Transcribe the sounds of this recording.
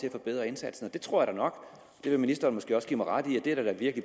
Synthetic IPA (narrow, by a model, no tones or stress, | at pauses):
t͡sʰe̝æfɒ̽b̥eð̞̰ˠʁɐe̝nsæd̥sn̩ɒ̽d̥e̝t͡sʰʁo̝ɐ̰jɐɾ̥ɑnɒ̽ɡ̥ | d̥e̝ʋe̝minisd̥ɐːnmɒsɡ̥e̝̰ːɒsɡ̥ḭːmɑʁɑad̥iæd̥e̝æd̥æd̥æʋiɐɡ̥li